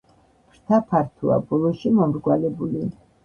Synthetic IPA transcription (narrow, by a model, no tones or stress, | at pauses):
pʰɾt̪ʰapʰaɾt̪ʰua̰bɔlˠɔʃimɔmɾɡwalɛbuli